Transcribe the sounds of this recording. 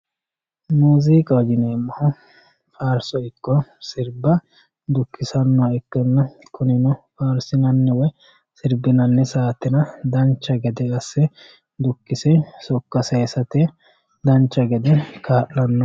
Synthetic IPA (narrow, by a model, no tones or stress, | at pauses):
muːziːkʼɐwɐd͡ʒɪneːmːɐhɔ | faːɾsɔɪkːɔsɪɾbɐ | d̪ʊkːɪsɐnːɔɛkːɛnːɐ | kʰʊnɪnɔfaːɾsɪnɐnːɛwɔj | sɪɾbɪnɐnːɛsaːt̪ːɪnɐd̪ɐnt͡ʃːɐɡɛd̪ɛɐsːɛ | d̪ʊkːɪsɛsɔkːɐsɛjsɐt̪ɛ | d̪ɐnt͡ʃːɐɡɛd̪ɛkʰaːʔːɐnːɔ